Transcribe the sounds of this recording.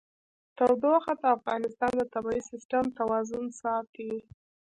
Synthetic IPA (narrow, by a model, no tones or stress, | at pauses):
t̪awd̪oxat̪aafɣɑnɪst̪ɑnd̪ət̪abɑisɪsʈamt̪awɑzʊnsɑt̪i